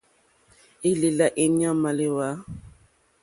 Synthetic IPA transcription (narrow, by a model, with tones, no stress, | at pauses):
i˦li˨la˨ʔi˨ɲ˦ã˦ma˨le˨wa˨˦